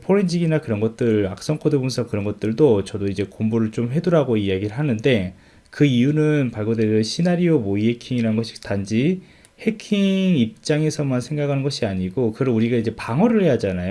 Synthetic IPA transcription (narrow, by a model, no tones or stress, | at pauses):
pʰoɾind͡ʑiɡinakɯɾʌnɡʌt̚t͈ɯɭak̚s͈ʌŋkʰodɯbunsʰʌkɯɾʌnɡʌt̚t͈ɯɭdot͡ɕʌdoid͡ʑe̞kombuɾɯɭt͡ɕomɸwe̞doɾaɡoiaɡiɾɯɭɦanɯnde̞ | kɯijunɯnpaɭɡodeʌɕʰinaɾiomoiɦe̞kʰiŋiɾanɯnɡʌɕʰi̥tand͡ʑi | he̞kʰiŋŋip̚t͡ɕ͈aŋe̞sʰʌmansʰe̞ŋɡakʰanɯnɡʌɕʰiaɲiɡokɯɾʌnuɾiɡaid͡ʑe̞paŋʌɾɯɭhe̞jad͡ʑanajo